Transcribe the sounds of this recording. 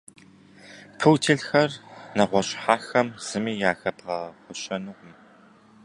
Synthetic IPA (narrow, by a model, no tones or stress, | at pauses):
pʰɨwtʰiːɮxɐrnɐʁʷɔɕʼħaːxɐmz̥ɨmiːjaːxɐbʁɐχʷʊɕɐnɨʁʷʊm